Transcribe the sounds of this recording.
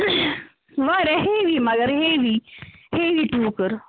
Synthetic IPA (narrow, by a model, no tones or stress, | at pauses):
ʋaːɾeɦeʋimɐɡəɾɦeːʋiheːʋiʈuːkəɾ